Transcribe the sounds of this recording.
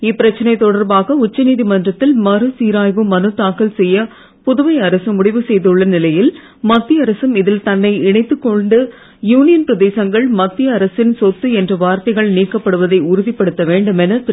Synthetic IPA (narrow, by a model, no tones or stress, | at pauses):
ɪpːɪɾɐt͡ʃːɐnɐɪt̪ɔɽɐɾbaːɣɐʊt͡ʃːɐniːðimɐndrɐt̪ːɪlmɐɾɯsiːɾaːjʋɯmːɐnɯt̪ːaːkɐlsɛjːɐ | pʊðɯʋɐɪɐɾɐsɯmʊɽɪʋɯsɛjðɯɭːɐnɪlɐjɪl | mɐt̪ːɪɐɾɐsɯmɪðɪlt̪ɐnːɐɪɪɳɐɪt̪ːɯkːɔɳɖɯ | juːnɪjɐnpɪɾɐðeːsɐŋɡɐɭmɐt̪ːɪjɐːɾɐsɪnsɔt̪ːɯɛndrɐʋaːɾt̪ɐɪɣɐɭniːkːɐpːɐɽɯʋɐðɐɪʊɾʊðɪpːɐɽɯt̪ːɐʋeːɳɖɯmɛnɐ